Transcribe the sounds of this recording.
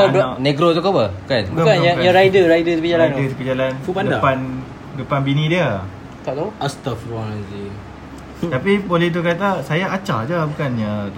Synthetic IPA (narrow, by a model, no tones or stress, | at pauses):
abaneɡɾot̪ukopəbukanbkukkanjakajaɾajdəɾaidəsəpid͡ʒaladəsəpid͡ʒalanfupandədapan | dəpanbinidiə | t̪aʔt̪auʔast̪afɾɔnad͡ʒi | t̪apibolit̪̬ukat̪asajaʔːt͡ʃa̰d͡ʒabukanɲa